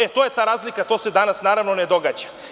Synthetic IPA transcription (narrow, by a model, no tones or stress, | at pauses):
et̪oje̞t̪aːɾaːzlikat̪o̞ːse̞d̪anasnaːɾaʋnoned̪o̞ɡaːd͡ʑḁ